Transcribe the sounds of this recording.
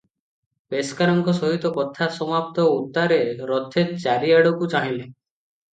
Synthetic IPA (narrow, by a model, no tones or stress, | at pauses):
peskaɾɔŋkɔsɔɦit̪ɔkɔt̪ʰasɔmap̚t̪ɔut̪ːaɾeɾɔt̪ʰːet͡ʃaɾiaɽɔkut͡ʃaɦile